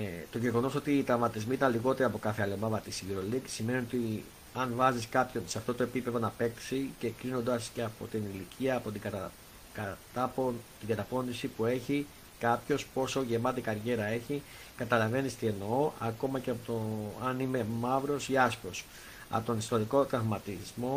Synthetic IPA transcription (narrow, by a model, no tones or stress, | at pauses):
t̪o̞ʝe̞ɣo̞no̞so̞t̪iːt̪ɾɐvmɐt̪izmiit̪ɐnliɣo̞t̪eɾɐpo̞kɐθeɐlemɐvɐt̪isiviɾo̞liɡsime̞nio̞t̪i | ɐnvɐziskɐpço̞nseɐft̪o̞t̪o̞e̞pipe̞ðo̞nɐpe̞kksice̞kɾino̞nd̪ɐsce̞ɐpo̞̰t̪inilicʰiɐːpot̪iɐ | kt̪ɐpt̪iŋɡɐt̪ɐpo̞nd̪isipue̞çi | kɐpço̞spo̞so̞ʝe̞mɐt̪ikɐɾʝe̞ɾɐe̞çi | kɐt̪ɐlɐve̞nist̪ienooʔɐko̞mɐceɐpot̪oɐnime̞mɐvɾo̞siɐspo̞s | ɐ̰ot̪o̞nist̪o̞ɾiko̞t̪ɾɐvmɐt̪izmo̞